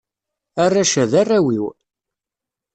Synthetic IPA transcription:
arˤːaʃæðarːawiw

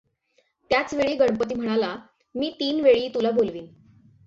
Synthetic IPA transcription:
t̪jat͡sʋeɭiːɡəɳ̃pət̪̬iːm̤əɽ̃ala | miːt̪iːnʋeɭiːt̪ulabolʋiːn

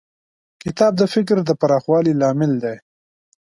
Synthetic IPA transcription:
kɪt̪ɑb̚d̪əfɪk̬ɾd̪əpaɾɑxwɑlilɑmɪld̪e

